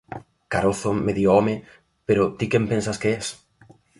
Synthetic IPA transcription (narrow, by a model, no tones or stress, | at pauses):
kaɾoθomeðioɔme | peɾot̪ikempensaskeɛs